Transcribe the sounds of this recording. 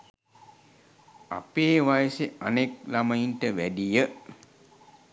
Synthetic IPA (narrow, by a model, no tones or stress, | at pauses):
a̰peːʋajəseanek̚lamainʈəʋæɖijə